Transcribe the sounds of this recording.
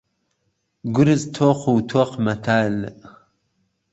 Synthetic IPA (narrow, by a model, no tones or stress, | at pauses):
ɡʷʊɾɨzt̪ʰoːqʷuwt̪ʰoqmat̪ʰaːl